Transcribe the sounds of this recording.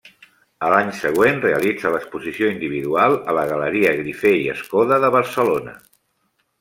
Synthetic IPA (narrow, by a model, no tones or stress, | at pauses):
əlaɲsəɣ̞wenreəlid͡zələkspuzisioind̪iβ̞iðualˠələɣ̞ələɾiəɣɾifeiə̰skɔðəðəβəɾsəlonə̰